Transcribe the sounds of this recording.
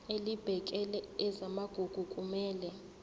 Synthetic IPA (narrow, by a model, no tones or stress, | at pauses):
elib̥ʱɛkʼɛlɛɛzamaɡ̥ʱuɡ̥ʱukʼumɛːlɛ